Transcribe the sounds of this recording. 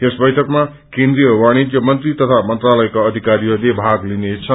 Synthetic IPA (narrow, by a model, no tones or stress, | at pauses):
esbʌjʈʰʌkma | kend̪rijʌwaɽ̃itjʌmʌnt̪rit̪ʌt̪ʰamʌnt̪ralʌjkaːd̪ʱikaɾiod̪ebʱaɡlinet͡sʰʌ